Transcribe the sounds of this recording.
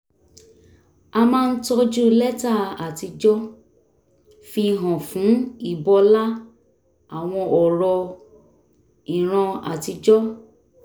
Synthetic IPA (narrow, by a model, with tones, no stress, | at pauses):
a˧mãː˦˧n̩˦tɔ˧d͡ʒu˦lɛ˦ta˦˨a˨ti˧d͡ʒɔ˦ | fi˧˦˧ɦɔ̃˨fũ˨˦i˦˨bɔ˧la˦ | a˦˨w̃ɔ̃˧ɔ˨ɾɔ˧ | i˨ɾ̃ã˧a̰˨ti˧d͡ʒɔ˦